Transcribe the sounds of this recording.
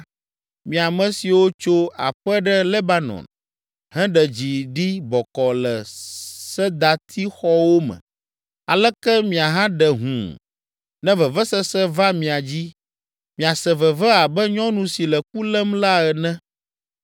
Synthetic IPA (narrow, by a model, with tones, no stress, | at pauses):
mĩ˨a˨mɛ̃˨si˨wo˦t͡ʃo˦a̰˨ɸɛ˦ɖɛ˦le˦ba˦nɔ̰̃˨n | ɦɛ̃˦ɖɛ˨d͡ʑi˨ɖi˦bɔ˨kɔ˨lɛ˨sɛ˦d̪a˨t̪ʰi˦xɔ˦wo˦mɛ̰̃˨ | a̰˨lɛ˦kɛ˦mĩ˨a˨ɦã˦ɖɛ˨ɦṵ̃˨ | nɛ̃˦və˨vɛ˦sɛ˦sɛ˦va˦mĩ˨a˨d͡ʑi˦ | mĩ˨a˨sɛ̃˨vɛ˨vɛ˦a˨bɛ˦ɲɔ̃˦nũ˨si˨lɛ˨k̚u˦lɛ˦mla˦ɛ˨nɛ̃˦